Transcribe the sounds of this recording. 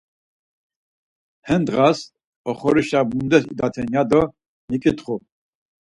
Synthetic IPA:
hɛnd̪ʁas | ɔχɔɾiʃabund̪ɛsḭd̪at̪ʰɛnjad̪ɔ | mikʼit̪χu

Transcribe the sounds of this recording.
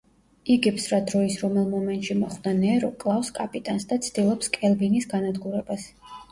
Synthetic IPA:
iɡɛpsɾad̪ɾɔisɾɔmɛlˠmɔmɛnt̪ʼʃimɔχwd̪anɛɾɔkʼlˠafskʼapʼit̪ʼansd̪at̪sʰd̪ilˠɔpskʼɛlˠbinisɡanad̪ɡuɾɛbas

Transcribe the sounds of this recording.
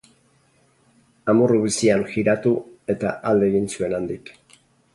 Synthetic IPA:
amuruβisianxiɾat̪ue̞t̪a̰ʔald̪e̞ːɣinsue̞nand̪ik

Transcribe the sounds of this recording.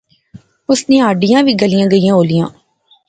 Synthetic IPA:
ʊsnẽːaːɖɪjãːʋiːɡəlɪjãːɡəijãːɦoːlijãː

